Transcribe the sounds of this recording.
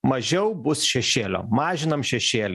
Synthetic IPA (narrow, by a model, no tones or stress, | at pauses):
mɐʒʲɛʊbʊsʃʲɛʃʲeːlʲo̰ːmɑːʒʲɪnɐmʃʲɛʃʲeːlʲ